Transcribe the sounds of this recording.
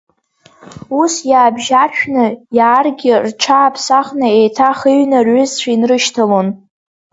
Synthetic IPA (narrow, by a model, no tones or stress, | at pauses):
usjaːbʒaʃᶣnɨjaːrɡʲɪrʈ͡ʂʰaːpʰsaχnɨejtʰaχiɥnɨrɥʊzt͡ɕʷʰainrɨʃtʰalon